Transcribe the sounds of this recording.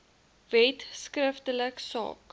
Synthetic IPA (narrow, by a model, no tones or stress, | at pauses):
vɛtskrəftələksɑ̰ːk